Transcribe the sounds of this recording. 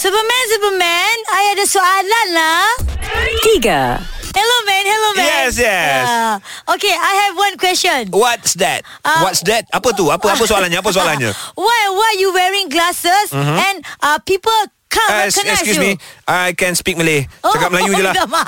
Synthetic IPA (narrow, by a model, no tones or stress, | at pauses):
supəmɛ̃ns̬upəmɛ̃najɛdəsoalãnla | tiɡə̰hɛlomɛ̃nhɛlomɛj̃ɛsjɛ | okeajhɛvwãnkwɛst͡ʃɔ̃nwɔtsd̪ɛt̚ | awɔtsd̪ɛt̚apət̪̬uapəapəsoalãnɲəapəs̬oalanɲa̰wawɔtajuwɛɹĩŋɡlasəsɛ̃nʔapipəl | kʰãskɔ̃nɛkɛkjumiajkɛ̃nspik̚məleoakamlajud͡ʒulaəma